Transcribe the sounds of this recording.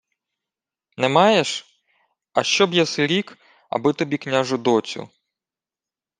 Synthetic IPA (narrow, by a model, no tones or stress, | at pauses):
nɛmɑjeʃ | ɐʃt͡ʃɔbjɛsɪɾʲik | ɐ̰bɪt̪ɔbʲiknʲaʒʊd̪ɔt͡sʲʊ̰